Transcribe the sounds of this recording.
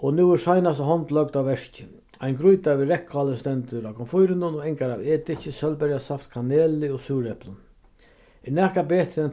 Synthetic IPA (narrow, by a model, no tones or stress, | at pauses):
ɔnuːɪʂajnast̪əɦɔnt̪lœk̚t̪awʋɛʂcɪ | ajnɡɾujt̪aʋɪɾɛkʰːʊaləst̪ɛnt̪əɾakʰɔnfʊjɾɪnʊnɔɛŋkaɾaweːt̪ɪt͡ʃɪsœlbɛɾjasaft̪kʰaneːlɪɔsuːɾɛplʊn | ɛnɛːkabeːt̪ɾɛn